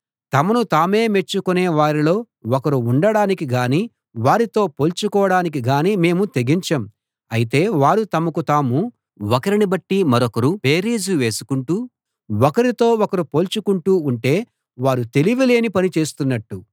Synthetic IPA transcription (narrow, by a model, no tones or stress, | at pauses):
t̪ɐmɐnut̪aːme̞ːme̞t͡ʃːukuneːʋaːɾilo̞ː | ɔkɐɾuːɳɖɐɽaːnikiɡaːniː | ʋaːɾit̪o̞ːpo̞ːlt͡ʃukɔːɐɽaːnik̬iɡaːniːme̞ːmut̪e̞ɡiɲt͡ʃɐm | ɐjit̪e̞ːʋaːɾut̪ɐmɐkut̪aːmu | wɔkɐɾinibɐʈːimɐɾɔkɐɾupeːɾiːd͡ʒuʋe̞ːsu̥kuɳʈuː | ɔkɐɾit̪o̞ːɔkɐɾupoːlt͡ʃukuɳʈuːɳʈe̞ː | ʋaːɾut̪e̞liʋile̞ːnipɐnit͡ʃe̞ːst̪unːɐʈːu